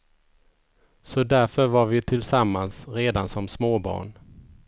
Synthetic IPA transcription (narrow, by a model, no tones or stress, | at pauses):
sɔd̪æɾfœɾvaɾvɪt̪ʰɪlsamːansɾeːd̪ansɔmsmoːbɑ̰ːɳ